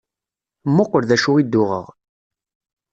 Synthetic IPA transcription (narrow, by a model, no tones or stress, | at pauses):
mːʊqːəɾðæʃuid̪ːʊʁə̰ʁ